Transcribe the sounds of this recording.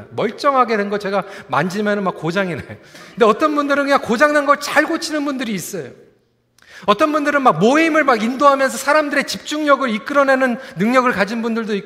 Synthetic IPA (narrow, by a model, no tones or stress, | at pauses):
mʌɭt͡ɕ͈ʌŋɦaɡe̞dwe̞nɡʌt͡ɕe̞ɡama̰nd͡ʑimjʌnɯnmak͈ːod͡ʑaŋinajokkɯnde̞ʌt͈ʌnbundɯɾɯnkɯɲaŋkod͡ʑaŋnanɡʌɭt͡ɕaɭɡot͡ɕʰinɯnbundɯɾiːs͈ʌjo | ʌt͈ʌnbundɯɾɯnmak̚moimɯɭmaɡindoɦamjʌns̬ʰʌsʰaɾamdɯɾe̞t͡ɕip̚t͡ɕ͈uŋɲʌɡɯɾik͈ɯɾʌne̞nɯnːɯŋɲʌɡɯɭkad͡ʑinbundɯɭdoik